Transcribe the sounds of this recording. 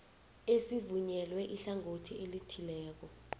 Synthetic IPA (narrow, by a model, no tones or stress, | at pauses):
esivuɲɛlwɛʔiɬaŋʱotʰiʔelitʰilɛːk̬ɔ